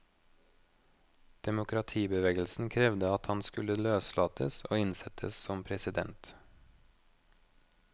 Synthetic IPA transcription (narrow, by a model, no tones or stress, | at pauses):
d̪̥ɛmʊkʰɾɑt̪ʰiːbəʋeːɡəlsn̩kʰɾɛʋd̪əɑt̪hɑnskʉləløːslɑːt̪ʰəso̰ːɪnsɛt̪ʰə̰ssɔmpʰɾɛsɪd̪ɛ̰nt̪